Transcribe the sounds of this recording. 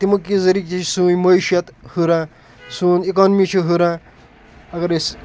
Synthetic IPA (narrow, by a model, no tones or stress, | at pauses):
t̪imɐkːizɐɾikt͡ʃisuːjmɐʃjɐt̪huɾãː | suːnikoːnmit͡ʃʰiɦuɾã | ɐɡɐɾis